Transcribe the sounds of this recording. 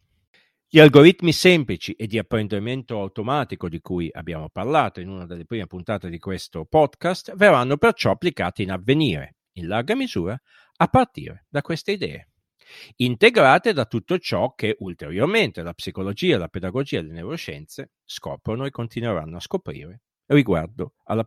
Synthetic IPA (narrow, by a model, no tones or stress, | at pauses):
ʎialɡoɾit̪misɛmplit͡ʃiʔed̪ːiapːɾend̪iment̪oawt̪omaːt̪ikod̪ikuja̰bːja̰ːmoparlaːt̪oinunad̪elːepɾiːmepunt̪aːt̪ed̪ikwest̪opɔd̪kast̪verːanːopert͡ʃɔapːlika̰ːt̪iːnavːeniːɾḛ | inlarɡamizuːɾa | apːart̪ḭːɾḛd̪akwest̪eid̪ɛ̰ːḛ | int̪eɡɾaːt̪ed̪at̪ːut̪ːot͡ʃɔkːeʔult̪eɾjorment̪elapsikolod͡ʒiːaelaped̪aɡod͡ʒiːaelenewɾot͡ʃɛ̰nt̪se | skɔ̰ːpɾonoekːont̪inweɾa̰nːoaskopɾḭːɾe | riɡwa̰rd̪oalːa